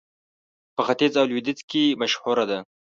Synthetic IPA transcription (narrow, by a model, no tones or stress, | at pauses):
pəxat̪ɪzawlwid̪ɪt͡skemaʃhuɾad̪a